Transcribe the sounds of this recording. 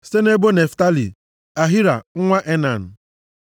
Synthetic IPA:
se˦ne˦bo˦ne˨fta˦lḭ˨ | a˨ɦi˦ɾa̰˨ŋ̩˦ŋʷa˦ʔe˦na˨n̩˨

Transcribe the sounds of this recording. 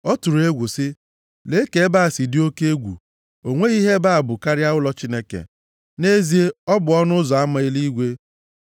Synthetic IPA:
ɔ˦tu˨ɾe˦ɡʷu˨sɪ˦ | le˦ke˨˦ba˦a˨si˨dɪ˦o˦ke˦e˦ɡʷṵ˨ | o˨ŋʷe˦i˦ɦe˦ba˦a˨bʊ˨ka˦ɾja˦ʊ˦lɔ˦t͡ʃi˦ne˦kḛ˨ | ne˦zi˨˦e˦ɔ˦bʊ˨ɔ˦nʊ˦zɔ˨a˦ma˨i˦li˦ɡʷe˦

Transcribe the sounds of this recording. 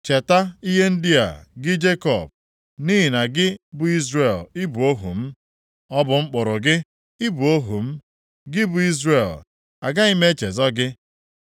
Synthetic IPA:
t͡ʃe˨ta˦i˦ɦe˦n̩˦di˦a̰˨ɡɪ˦d͡ʒe˦kɔ˨b̚ | ni˦ɦɪ˨na˨ɡɪ˦bʊ˨i˦zɾe˦˨lɪ˦bu˨o˦ɦṵ˨m̩˦ | ɔ˦bʊ˨ŋ͡m̩˦k͡pʊ˨ɾʊ˨ɡɪ˦ | ɪ˦bu˨o˦ɦu˨m̩˦ | ɡɪ˦bʊ˨i˦zɾe˨l | a̰˨ɡa˦i˦me˦t͡ʃe˨zɔ˦ɡɪ˦

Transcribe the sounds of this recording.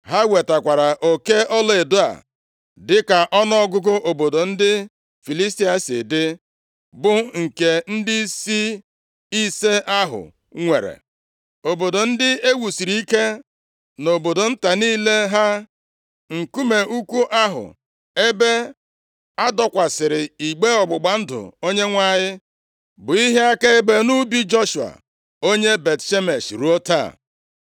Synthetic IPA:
ɦa˦we˨ta˨kʷa˨ɾa˨ʔo˨ke˦ɔ˦le˨do˦a̰˨ | dɪ˦ka˨ʔɔ˦n˦ɔ˦ɡʊ˦ɡʊ˦ʔo˨bo˨do˨n̩˦dɪ˦ | fi˨li˦sti˦a˨sɪ̰˨dɪ˦ | bʊ˨ŋ̩˨ke˨n̩˦dɪ˦si˦ | i˦se˦ʔa˦ɦʊ̰˨ | ŋʷe˨ɾḛ˨ | o˨bo˨do˨n̩˦dɪ˦e˦wu˨si˨ɾi˦i˦ke˦ | no˨bo˨do˨n̩˦ta˨niː˦le˦ɦa˦ | ŋ̩˨ku˦me˨u˦kʷu˦ʔa˦ɦʊ̰˨ | e˦be˦ | a˦dɔ˦kʷa˨sɪ˨ɾɪ˨i˨ɡ͡be˦ɔ˨ɡ͡bʊ˨ɡ͡ba˨n̩˦dʊ̰˨o˦ɲe˦ŋʷa˦˨ɲɪ˦ | bʊ˨i˦ɦe˦a˦ke˦e˦be˦nu˦bi˦d͡ʒo˦ʃu˨a̰˨ | o˦ɲe˦be˨tʃe˦me˨ʃɾu˦o˦ta̰˦˨

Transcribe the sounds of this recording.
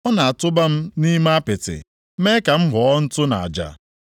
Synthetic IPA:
ɔ˦na˨a˨tʊ˦ba˦m̩˦ni˦ma˦pɪ˨tɪ̰˨˦ | me˦ka˨m̩˦ɦʊ˨ɔ˦n̩˦tʊ˦na̰˨a˨d͡ʒa̰˨

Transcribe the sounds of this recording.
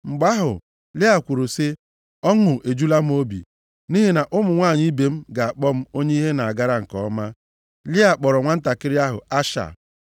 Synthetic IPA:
ŋ͡m̩˨ɡ͡ba˦ɦʊ̰˨ | lɪ˦a˨kʷu˨ɾo˨sɪ˦ | ɔ˦ŋʊ˨ʔe˨d͡ʒu˦la˦m̩˦o˦bḭ˨ | ni˦ɦi˦na˨ʔʊ˦mʊ˨ŋʷaː˦˨ɲi˦i˦be˨m̩˦ɡa˨a˨k͡pɔ˦m̩˦o˦ɲe˦i˦ɦe˦na˨a˨ɡa˦ɾa˦ŋ̩˨kɔ˨˦ma˦ | lɪ˦a˨k͡pɔ˨ɾɔ˨ŋʷa˦n̩˦ta˨kɪ˦ɾɪ˦a˦ɦʊ̰˨a˦ʃa̰˨

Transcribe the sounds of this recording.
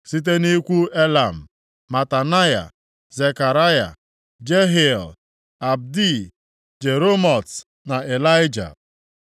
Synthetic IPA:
si˦t̬e˦ni˦kʷu˦e˦la˨m̩˨ | ma˨ta˨na˦ja̰˨ | ze˨ka˨ɾa˦ja̰˨ | d͡ʒe˦ɦi˦˨l | a˨b̚di˦˨ | d͡ʒe˨ɾo˦mɔ˨t | na˨e˨la˦ɪ˦d͡ʒa̰˨

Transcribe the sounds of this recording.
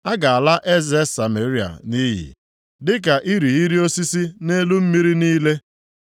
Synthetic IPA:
a˦ɡa˨a˨la˦ʔe˦ze˦sa˨me˨ɾi˦a̰˨ni˦ɦḭ˨ | dɪ˦ka˨ʔi˦ɾi˨i˦ɾi˦o˦si˦si˦ne˦lu˦m̩˦mi˦ɾi˦niː˦le˦

